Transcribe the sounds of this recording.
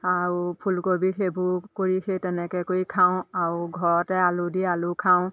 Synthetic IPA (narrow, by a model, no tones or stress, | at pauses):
aupʰulkobikʰebʱukoɹikʰetɛnɛkɛkojkʰaw̃auɡʱɔɹɔtɛalʊdialʊkʰaʊ̃